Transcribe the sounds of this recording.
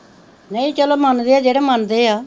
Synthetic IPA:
nəĩt͡ʃəloːmənd̪eːaːd͡ʒeːɽɛːmənd̪eːaː

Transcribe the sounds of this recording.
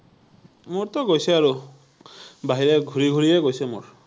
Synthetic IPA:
muɹt̪ɔɡojseaɾu | baɦiɾeɡʱuɹiɡʱuɹieɡojsemṵɹ

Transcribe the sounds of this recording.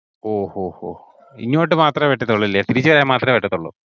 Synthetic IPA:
oːhoːho̰ː | ḭɲːoːʈːɨmaːt̪rɐʋeʈːɐt̪ːoɭːuilːet̪iɾit͡ɕːɨʋɐɾaːjɐmaːt̪rɐʋeʈːɐt̪ːoɭːṵ

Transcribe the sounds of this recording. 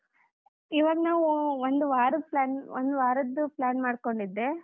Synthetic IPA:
iʋɐɡnaːʋuond̪uʋaːɾuplaːnond̪uʋaːɾɐd̪ːuplaːnmaːɽko̞ɳɖid̪ːe

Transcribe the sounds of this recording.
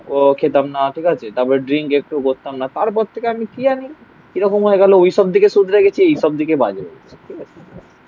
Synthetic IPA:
okʰet̪amnaʈʰikat͡ɕʰet̪apɔɾeɖɾiŋkek̚ʈukoɾt̪amnat̪aɾp̬ɔɾt̪ʰːekeamikiani | kiɾɔkomɦoeɡɛloojʃɔb̚d̪ʱikeʃud̪ʱɾeɡet͡ɕʰiejʃɔb̚d̪ʱikeba̰d͡ʑeɾḛɡet͡ɕʰi̥ʈʰikat͡ɕʰeae̥

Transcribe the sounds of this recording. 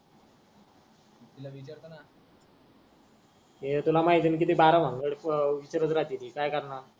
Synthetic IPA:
t̪ilaʋit͡ɕaɾt̪ana | ɦet̪ulamaɦit̪iːnk̬it̪ibaɾaʋ̤aŋɡəɽʋit͡ɕaɾət͡sɾad͡ʑ̪iːniːkajkəɾna

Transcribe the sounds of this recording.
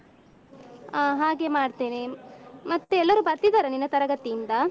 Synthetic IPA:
aɦaːɡe̞maːɖt̪eːnemɐt̪ːeɛlːɐɾubɐɾt̪id̪aːɾɐninːɐt̪ɐɾɐɡɐt̪iind̪ɐ

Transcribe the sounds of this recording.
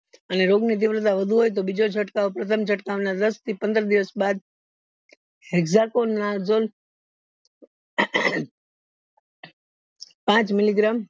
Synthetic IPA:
əneɾoɡnit̪̬ɪʋɾət̪̬aʋəd̪ʱuɦojt̪̬obid͡ʒod͡ʒʰʱəʈkaopɾət̪ʰəmd͡ʒʰʱəʈkaʋnad̪əst̪ʰipə̃nd̪əɾd̪iʋəsbad̪̚ | eɡzakonːazol | pãt͡ʃmɪliɡɾam

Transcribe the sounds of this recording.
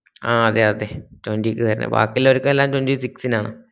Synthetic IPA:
aːɐðeɐðetondiikʲːɨkɐɾinːɐ̰ba̰ːkːilːoɾukːɐmelːaːmtondisiksinaːɳɨ̰

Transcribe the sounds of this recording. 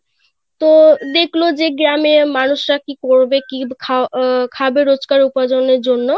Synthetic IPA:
t̪od̪ekʰlod͡ʑeɡɾamemanuʃɾakikoɾbekikʰakʰabeɾod͡ʑkaɾupad͡ʑoneɾd͡ʑonːo

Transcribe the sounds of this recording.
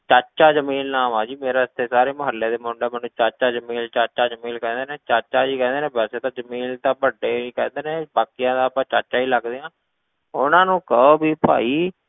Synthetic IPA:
t͡ʃat͡ʃaːd͡ʒəmiːlnãːmaːd͡ʒiːmeːɾaːəst̪ʰeːsaːɾeːməɦəlːeːd̪eːmʊɳɖeːmɛːnːũːt͡ʃat͡ʃaːd͡ʒəmiːlt͡ʃat͡ʃaːd͡ʒəmiːlkɛ̃ːnd̪eːnẽːt͡ʃat͡ʃaːd͡ʒiːkɛ̃ːnd̪eːnẽːbɛːseːt̪ãːd͡ʒəmiːlt̪ãːpəɖeːikɛːnd̪eːnẽːbaːkijãːd̪aːpãːt͡ʃat͡ʃaːiːləɡd̪eːãː | ʊnãːnũːkəoːbʱiːpa̰ːiː

